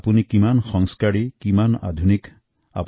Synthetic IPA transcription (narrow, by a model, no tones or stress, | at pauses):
punikimanxɔŋskaɹikimana̰d̪ʱunik | a̰p